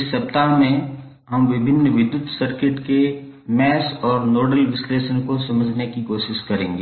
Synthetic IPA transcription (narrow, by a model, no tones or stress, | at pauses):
ɪsːɐp̚t̪amẽ | ɦɐmʋɪbʱɪnːəʋɪd̪jʊt̪sɐɾkɪʈkemɛːsɔːɾnoːɖəlʋɪsleːʃənkosɐməd͡ʒʱnekikoːʃɪʃkɐɾẽːŋɡeː